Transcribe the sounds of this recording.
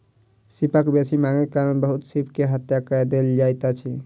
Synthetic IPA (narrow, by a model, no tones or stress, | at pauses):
sipəkbesimaŋekaɾnbəɦut̪sipkeɦət̪jakəjd̪eld͡ʒajt̪at͡ʃʰi